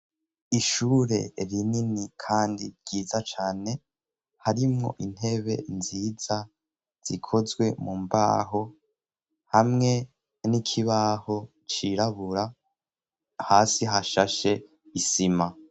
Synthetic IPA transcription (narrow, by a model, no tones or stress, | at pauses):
iʃuːɾe̞̰ɾininikʰaːndḭɾɟiːzat͡ʃaːne̞ | haɾimŋo̞̰ʔin̥he̞βe̞̰nziːza | z̥ikʰo̞zɡwe̞mumba̰ːɦo̞ | hamŋe̞ | nikʰiβaho̞ | t͡ʃiɾaβuɾa | haːsiɦaʃaʃe̞ | isima